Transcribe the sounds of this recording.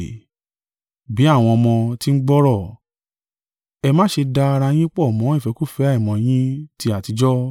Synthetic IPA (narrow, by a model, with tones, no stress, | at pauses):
bi˨˦a˦˨w̃ɔ̃˧ɔ˧mɔ̃˧ti˦n̩˦ɡ͡bɔ˦ɾɔ˦˨ | ɛ˧mãː˦ʃe˧da˧ɾa˧j̃ĩ˦k͡pɔ˦˨mɔ̃˨˦i˦˨fɛ˨˧˦ku˦˨fɛ˨˦a˦i˨mɔ̃˨j̃ĩ˦ti˧˦a˨ti˨˧˦d͡ʒɔ˦